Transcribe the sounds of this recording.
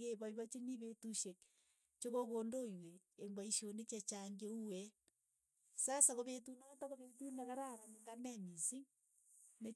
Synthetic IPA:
keβɔiβɔt͡ʃeniβetuʃek̚ | t͡ʃokokondoiweembaiʃonet͡ʃat͡ʃaŋɡeuwɛ | sasakoβetunɔtakoβetunakaɾaβaniŋɡamɛmisiŋ | ne

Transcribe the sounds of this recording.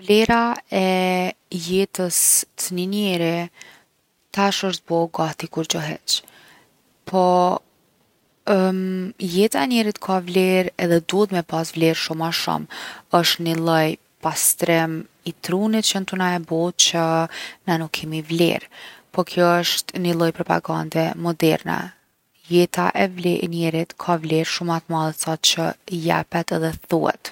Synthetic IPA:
vlɛɾaɛ | jɛt̪əst̪əninɛɾi | t̪aʃəʃt̪̚bɔɡat̪ikuɾd͡ʑɔɦɛ̰t͡ʃ | pʰɔ | jɛt̪aɛnjɛɾit̪kʰavlɛɾɛðɛd̪uət̪mɛpasvlɛɾʃumaʃṵməʃt̪nilˠəj | past̪ɾɛm | it̪ɾunit̪̚t͡ɕənt̪unaɛbɔt̪t͡ɕənɛnukʰːɛmivlɛ̰ɾpɔkʰjɔəʃt̪nilˠɔjpɾɔpa̰ɡand̪ɛmɔd̪ɛ̰ɾnɛ̰ | jɛt̪aʔɛvlɛnɛɾit̪kʰavlɛɾʃumat̪malˠɛt̪sat̪t͡ɕəjɛ̰pɛt̪ɛðɛθṵɛ̰t̪

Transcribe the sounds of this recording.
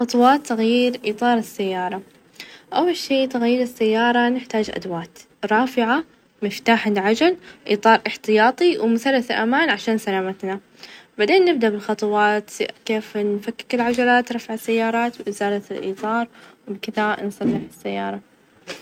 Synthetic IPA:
xɑt̪ˤwɑːt̪ːaɣjiːɾʔiːt̪ˤɑːɾˤɪsːajːɑːɾˤɑ | ʔawːalʃiːt̪aɣjiːɾɪsːajːɑːɾˤɑnɪħt̪aːd͡ʒʔa̰d̪waːt̪ | ɾˤɑːfɪʕa | mɪft̪aːħalʕad͡ʒalʔḭːt̪ˤɑːɾˤʔɪħt̪ɪjɑːt̪ˤiwmʊθalːaθalʔamaːnʕaʃaːnsalaːmat̪na | baʕd̪eːnːɪb̚d̪aʔbɪlxɑt̪ˤɑwɑːt̪keːfnfakːɪ̥kɪlʕad͡ʒalaːt̪ɾˤɑfʕasːajːɑːɾˤɑːt̪wʔɪzaːlat̪ɪlʔḭːt̪ˤɑːɾˤwbkɪðansˤɑlːɪħɪsːajːɑːɾˤɑ

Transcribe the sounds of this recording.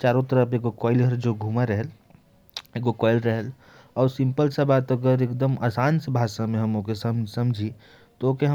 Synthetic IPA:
t͡ʃaːɾot̪əɾəpekokɔːɪlɦəɾd͡ʒoɡʱuːmaɾəɦɛl | ekokɔːɪlɾəɦəl | ɔːɾsɪ̃mpəlsabaːt̪ɐɡəɾekd̪əmʔaːsaːnsɐbʱaːʃamẽɦɐmoːkesɐmsɐ̃md͡ʒʱi | t̪ooːkeɦ

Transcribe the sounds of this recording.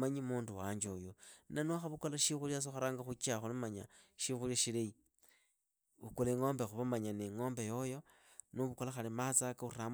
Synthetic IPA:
maɲimuːnduwaɲd͡ʒojonanuaxaβukolaʃixulias̬oxaɾaːŋɡaxut͡ʃaxulumaɲaʃixuliaʃilei | βukoleŋo̞ːmbexuβamaɲaneŋo̞ːmbejo̞jo̞ | nuβukolaxalimat͡sakauram

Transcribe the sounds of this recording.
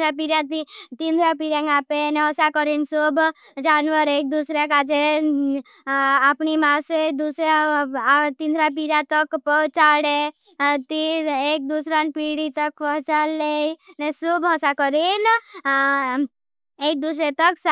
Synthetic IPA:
ɾapiɾãit̪ind̪ʱɾapiɾẽŋɡapeneɦɔsakɔɾinsub | d͡ʒanʋəɾeːk̚d̪usɾekad͡ʒe | apnimased̪usɾe | t̪ind̪ʱɾapiɾat̪əkpɔɦt͡ʃaɽe | t̪ieːk̚d̪usɾanpiɽit̪əkpɔt͡ʃalːenesubɦɔsakɔɾin | ek̚d̪usɾet̪əks

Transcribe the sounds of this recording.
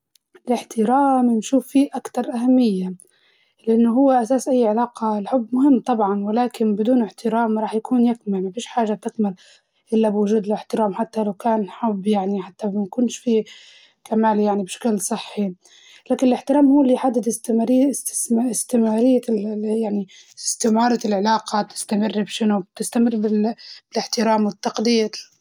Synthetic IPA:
ɪlɪħt̪ɪɾaːmnʃuːfːiːʔakt̪ɑɾˤʔahamːɪjːa | lɪʔanːʊɦʊwːɪʔasaːsʔajːʕɪlaːqɑɪlħʊbːmʊhɪmːt̪ˤɑbʕɑnwɪlaːkɪnbɪd̪uːnɪħt̪ɪɾaːmɾˤɑːħjakʰuːnjɪkmalmabiːʃħaːʒab̚t̪ɪkmɪl | ʔɪlːabwʊʒuːd̪ɪlɪħt̪ɪɾaːmħat̪ːalawkaːnħʊbːjaʕniħat̪ːamakʊnʃfiː | kamaːljaʕnibʃḁklsˤɨħːi | laːkɪnɪlɪħt̪ɪɾaːmhuːlːiːħad̪ːɪd̪ɪst̪ɾ | ɪst̪ɪmaːɾɪjːajaʕni | ɪst̪ɪmɑːɾˤɑlʕɪlaːqɑt̪ɪ̥st̪amɪrːbʃɪnʊb̚t̪ɪst̪amɪrːbɪlb̥ɪlɪħt̪ɪɾaːmwɪt̪ːɑqd̪ɪjːa

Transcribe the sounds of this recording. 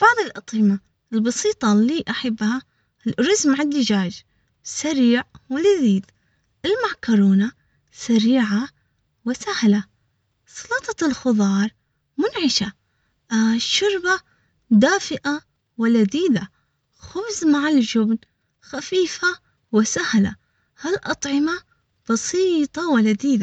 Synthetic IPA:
b̥ɑʕðˤɨlʔɑt̪ˤiːma | ɪlbɑsiːt̪ˤɑlːiːʔaħabːha | ɾʊzmaʕɪd̪ːɪd͡ʒaːd͡ʒ | saɾiːʕwɪlaðiːd̪ | ʔɪlmaʕkɑɾˤoːna | saɾiːʕa | wɪsahla | sˤɑlɑt̪ˤɑlxʊðˤɑːɾˤ | mʊnʕɪʃa | ʃʊɾba | d̪aːfɪʔa | wɪlad̪iːd̪a | xʊbzmaʕɪld͡ʒʊbn | xafiːfa | wɪsahla̰ | halʔɑt̪ˤʕɪma | b̥ɑsiːt̪ˤɑwɪlad̪iːd̪a

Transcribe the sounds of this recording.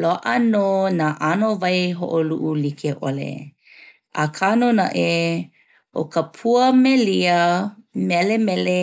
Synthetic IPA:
loʔənonaʔanovajɦo̰ʔoluʔulikʰeʔolḛ | ʔa̰kʰanonaʔe | ʔo̰kəpʰuəmeliəmɛlemɛle

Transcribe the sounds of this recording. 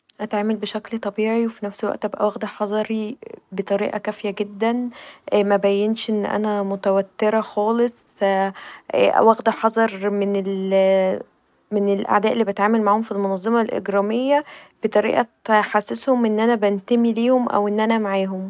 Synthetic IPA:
ʔæt̪ʕaːmælbeʃæklt̪ˤɑbiːʕiwefinæfselwæ̰ʔt̪ʔæbʔæ̰wæɣd̪æħɑzˤɑɾibet̪ˤɑɾḭːʔɑkæfjæɡed̪ːænʔmæbæjːenʃʔenːʔæ̰næmot̪æwæt̪ːeɾɑxɑːlesˤ | ʔʔæ̰wæɣd̪æħɑzˤɑɾˤmenel | menelʔa̰ʕd̪æːʔelːibæt̪ʕaːmælmaʕhomfilmonɑzˤːɑmɑlʔḛɡɾɑːmejːæb̥et̪ˤɑɾḭːʔɑħasːeshomʔenːʔænæbænt̪æmiliːhomʔæ̰wʔenːʔænæmaʕaːɦom

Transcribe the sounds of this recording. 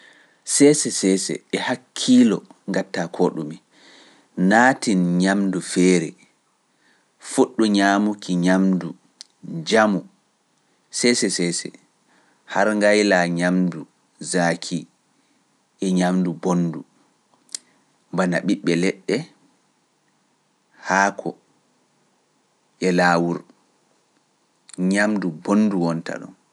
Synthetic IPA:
sɛsɛsɛːsɛ̰ɛhakʰːiːlɔŋɡatːakʰoɗumi | naːtinɲamdufɛːɾɛ̰ | fuɗːuɲaːmukʰiɲamdu | d͡ʒamu | sɛsɛsɛsɛ̰ | haɾŋɡajlaɲamdu | zaːkʰi | ʔɛɲamdubonːdu | mbanaɓiɓːɛlɛɗːɛ | haːkʰɔ | ʔɛlaːwuɾ | ɲamdubonduwɔnta̰ɗɔ̰n

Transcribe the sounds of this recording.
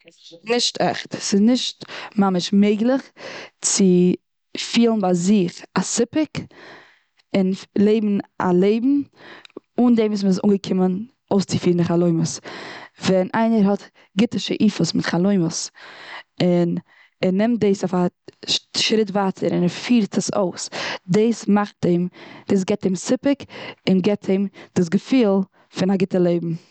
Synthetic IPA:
nɪʃtʰɛχtsɪznɪʃtmamɪʃmeɪɡlˠɪχt͡sɪ | fiːlˠn̩baɪzɪχasɪpɪk | ɪnlˠeɪbm̩a̰lˠeɪbm̩ | uːndeɪmis̬msṵːŋɡəkʰɪmən | oʊst͡sɪfiːlˠndɪχalˠoɪməsvɛnʔaɪnəɾhɔt | ɡɪtəʃəʔiːfəsmɪtχalˠoɪməs | ɪn | ɛnɛmt̚deɪsafaʃʃɾɪtvaːtʰəɾɪnɛɾfiːɾtʰəso̰ʊsdeɪsmaχt̚deɪmd̥eːs̬ɡɛt̚demsɪpɪkɪnɡɛtʰeɪmd̥ɪs̬ɡəfiːlˠ | fɪnaɡɪtəlˠeɪbm̩

